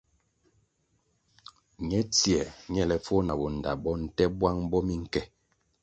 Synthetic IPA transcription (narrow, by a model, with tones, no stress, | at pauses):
ɲɛ˨˦t͡si˨ɛ˨ɲɛ˦lɛ˨fo˦na˨bɔ˨n̩˨da̰˨bɔ˦n̩˨tɛ˦bwa˦ŋ˦bɔ˦mi˦ŋ̩˦˨kɛ˦